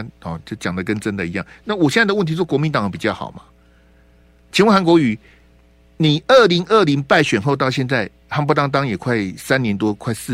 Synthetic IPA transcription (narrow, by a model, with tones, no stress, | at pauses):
nxɔ˨˩t͡ɕo˥˩t͡ɕjɑ˨˩ŋd̪ə˩k̬ə˦nʈ͡ʂə˦nd̪ə˨i˧˥jɑ̰˥˩ŋna˥˩˨wɔ˨˩ɕjɛ˥˧na˥˩də˦wə˥˩nt̪ʰi˧˥˧kwɔ˧˥mi˧˦nt̪ɑ˨˦ŋə˨˩pi˨˩t͡ɕjɑ˥˩ʊxɑ̰˨˩ʊma˦ | t͡ɕʰi˧˥nwxa˧˥nkwɔ˧˥y˨˩˦ | ni˨˩ə˥˩li˧˥ŋʔə˥˩li˧˥ŋpa˥˩ɪɕɥɛ˨˩nxo˥˧ʊt̪ɑ˥˧ʊɕjɛ˥˧nt͡sa˥˩ɪ | ha˥ŋpɔ˥t̪ɑ˥ŋt̪ɑ˥ŋjɛ˨˩kʰwa˥˩ɪsa˥˦nnjɛ˧˦nt̪wɔ˥kʰwa˥˧ɪs̩˥